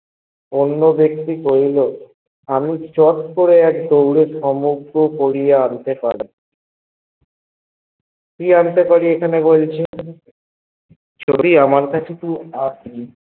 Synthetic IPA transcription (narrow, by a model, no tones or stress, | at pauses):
onːobekt̪ikoɾilo | amit͡ɕɔt̪koɾeɛkd̪owɾeʃɔmuɡɾokoɽijeant̪epaɽi | k̪iant̪epaɽiekʰanebolt͡ɕʰe | t͡ɕoɾiamaɾkat͡ɕʰet̪uasʰi